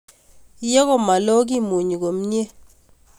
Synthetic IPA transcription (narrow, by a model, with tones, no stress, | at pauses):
je˦kɔ˦ma˨lo˦ɡ̬i˦mu˨ɲ˨ɡo˨m˦ɲ˦e˦